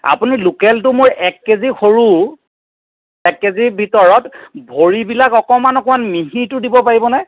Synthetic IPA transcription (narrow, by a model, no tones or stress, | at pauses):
a̰punilukɛltʊmojʔɛkːezixoɹu | ɛkːezibʱitɔɹɔtbʱoɹibilakɔkɔmanɔkɔanmiɦitʊdibɔpaɹibɔnaj